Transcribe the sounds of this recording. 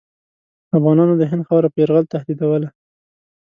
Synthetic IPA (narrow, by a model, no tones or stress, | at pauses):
afɣɑnɑnod̪əɦɪnd̪xabɾapəaɾɣəlt̪ahd̪id̪awəla